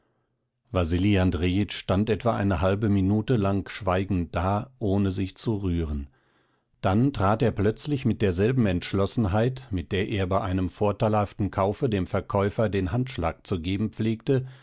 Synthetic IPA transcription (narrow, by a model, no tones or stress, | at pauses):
vaziliandʁeɪt͡ʃʃtantʔɛtv̥a̰ʔa̰ɪnəɦalbəminuːtəlaŋʃv̥aɪɡŋ̩t̚d̥aːʔoːnəzɪçt͡suʁyːʁən | d̥antʁ̥aːteːɐplœt͡slɪçmɪt̚d̥eːɐzɛlbm̩ɛntʃlɔsn̩ɦaɪtmɪt̚d̥eːɐʔeːɐbaɪʔaɪnəmfoːɐtaɪlhaftn̩kʰaʊfədeːmfɛɐkʰɔʏfɐdeːnɦantʃlaːk̚t͡suɡeːbm̩p͡fleːktə